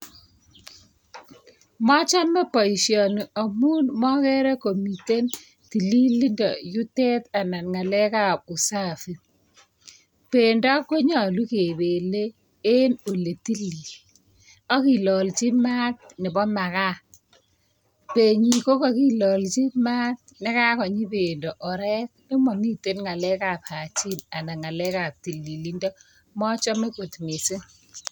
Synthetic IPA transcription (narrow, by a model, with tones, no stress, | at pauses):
mɔ˦t͡ʃa˦mɛ˦pɔ˨i˨ʃjɔ˨n˨a˨mu˦nmɔ˦kɛ˦ɾɛ˦ko˨mi˨te˦n | ti˨li˦li˦ndɔ̰˨ju˦tɛ˦ta˨na˨nŋa˨lɛ˦ka˦˨p̚u˨sa˦fi˦ | pe˨nda˦ko˦ɲa˨lu˦ke˨be˨le˦ | e˦no˨le˨ti˦li˨ | ɔ˦ki˨lɔ˨lt͡ʃi˦ma˦t̚nɪ˨bɔ˦ma˨ka˦ | pe˨ɲi˨ko˦kɔ˨ki˦lɔ˨lt͡ʃi˦ma˦t̚nɪ˦ka˦kɔ˨ɲi˦pe˨ndɔ˨ʔɔ˨ɾɛ˦k̚nɪ˦mɔ˨ŋi˦te˦nŋa˨lɛ˦ka˨pha˨t͡ʃi˦na˨na˨ŋa˨lɛ˦ka˨p̚ti˨lːi˨li˦ndɔ˦ | mɔ˦t͡ʃɔ˦me˦ko˨tmɪ˨sɪ˦n